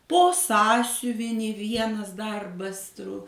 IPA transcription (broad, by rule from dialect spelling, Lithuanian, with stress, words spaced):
ˈpoː ˈsɑːsʲʊʋʲɪnʲiː ˈʋʲiɛnɐs ˈdɐrbɐs trʊ